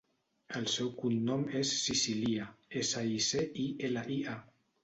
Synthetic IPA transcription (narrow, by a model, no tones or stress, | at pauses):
əlsɛwkunːɔmesːisiliaesaiseʔielaʔia